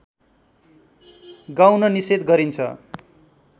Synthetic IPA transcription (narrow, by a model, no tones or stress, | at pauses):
ɡawnʌnised̪ɡʌɾint͡sʰʌ̰